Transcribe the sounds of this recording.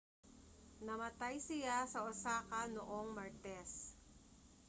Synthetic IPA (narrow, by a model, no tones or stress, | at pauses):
nɐmɐt̪ajsɪjasɐʔʊsaːkɐnoʔo̞ŋmɐɹt̪ɛs